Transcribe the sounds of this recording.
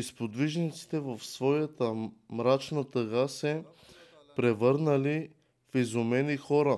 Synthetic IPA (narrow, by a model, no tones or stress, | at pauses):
ispod̪viʒnit̪si̥t̪ɛvɐfsvɔjət̪əmɾat͡ʃnət̪əɣasɛ | pɾɛvɤɾnəli | fizomɛnixɔɾə